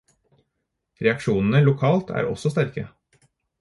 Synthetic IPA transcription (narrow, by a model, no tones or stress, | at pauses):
ɾɛɑkʃuːnn̩əlʊkʰɑːlt̪ʰæ̰ːɾɔ̰sɔst̪æɾkə